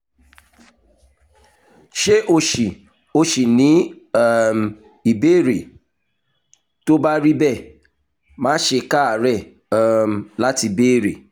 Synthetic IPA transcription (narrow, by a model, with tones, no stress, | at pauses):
ʃe˦ʔo˧ʃi˨ | o˧ʃi˨nĩ˨˦˨ | m | i˨be˦˨ɾe˨ | to˦ba˦ɾi˦bɛ˦˨ | mãː˦ʃe˧ka˦a˨ɾɛ˦˨ | m˨la˦ti˧˨be˦˨ɾḛ˨